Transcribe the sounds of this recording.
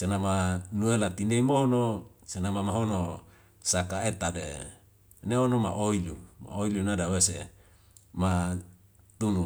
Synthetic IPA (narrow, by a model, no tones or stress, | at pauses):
senamanuelat̪ineimoɦono | senamamaɦono | sakaet̪adḛ | neonomaʔoiluma̰oilunadawese | ma | t̪unu